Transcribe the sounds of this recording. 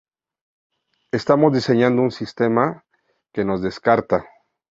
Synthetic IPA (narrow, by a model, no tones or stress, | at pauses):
e̞st̪amo̞zd̪ise̞ɲãnd̪ounsist̪e̞ma | ke̞no̞zðe̞skaɾt̪a